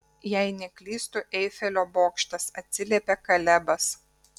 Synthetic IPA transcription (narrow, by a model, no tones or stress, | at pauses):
jæˑɪnʲɛkʲlʲiːst̪ʊʔɛɪfʲɛlʲoːboːkʃʲt̪ʲɐsɐt̪ʲsʲɪlʲeːpʲekɐlʲɛbɐs